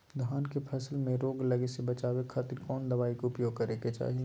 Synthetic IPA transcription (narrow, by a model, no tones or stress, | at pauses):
d̪ʱaːnkepʰɐsəlmẽɾoːɡlɐɡesebɐt͡ʃaːwekʰaːt̪ɪɾkɔːnd̪ɐβaːikʊpjoːɡkɐɾeket͡ʃa̰ːɦi